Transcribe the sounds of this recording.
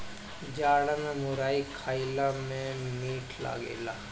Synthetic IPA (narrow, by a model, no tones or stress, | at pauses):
d͡ʒaːɽənamʊɾaːikʰaːilamẽmiːʈʰla̰ːɡḛːlaː